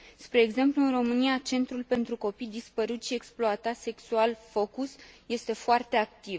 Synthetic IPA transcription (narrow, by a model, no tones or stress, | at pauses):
spɾe̞ːɡze̞mpluɨnro̞mɨniat͡ʃe̞nt̪ɾulpe̞nt̪ɾuko̞pid̪ispəɾut̪ʃieksploat̪at̪se̞ksualfo̞kusje̞st̪e̞foart̪e̞akt̪iv